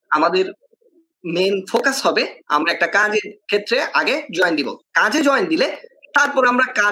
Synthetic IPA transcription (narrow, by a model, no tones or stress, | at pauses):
amad̪eɾ | menfokashɔbea̰mɾaɛk̚ʈakãd͡ʑeɾkʰet̪ːɾeʔaɡed͡ʑɔjnd̪ibo̰kãd͡ʑed͡ʑɔjnd̪ilet̪aɾpɔɾamɾakã